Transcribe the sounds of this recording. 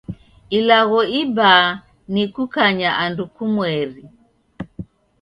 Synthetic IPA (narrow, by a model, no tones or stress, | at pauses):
ilaɣɔiba | nikukaɲaʔandukumwɛɾi